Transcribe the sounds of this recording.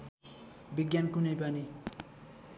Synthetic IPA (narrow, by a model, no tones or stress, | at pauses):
biɡjankunʌjpani